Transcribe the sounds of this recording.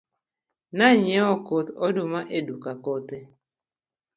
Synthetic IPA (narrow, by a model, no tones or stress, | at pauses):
naɲɔkot̪ɔdumaʔedukakɔt̪e